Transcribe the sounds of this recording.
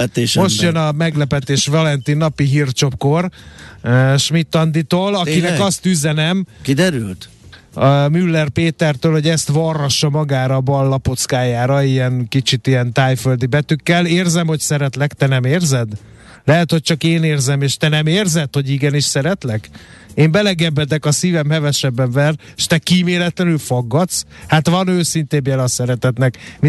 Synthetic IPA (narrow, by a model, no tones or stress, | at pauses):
ɛt̪eːʃmo̞ʃt̪jønɒmɛɡlɛpɛt̪eːʃvɒlɛnt̪inːɒpiɦirt͡ʃo̞p̚kor | ʃmit̪ːɒnd̪it̪oːlɒkinɛkɒst̪yzɛnɛmkid̪ɛɾylt̪ | mylːɛrpeːt̪ɛrt̪øːlhoɟɛst̪ʋɒrːɒʃːɒmɒɡaːɾɒbɒlːɒpot̪skaːjaːɾɒijɛŋkit͡ʃit̪ijɛnt̪aːjføld̪ibɛt̪ykːɛleːrzɛmho̞csɛɾɛt̪lɛkt̪ɛnɛmeːrzɛd̪ | lɛɦɛt̪ho̞c̚t͡ʃɒkeːneːrzɛmeːʃt̪ɛnɛmeːrzɛd̪ho̞ɟiɡɛniʃsɛɾɛt̪lɛk | eːmbɛlɛɡɛbːɛd̪ɛkɒsiːvɛmhɛvɛʃɛbːɛɱvɛreʃt̪ɛkiːmeːlɛt̪lɛnylfoɡːɒt̪s | hat̪ʋɒnøːsint̪eːmbjɛlɒsɛɾɛt̪ɛt̪nɛkmi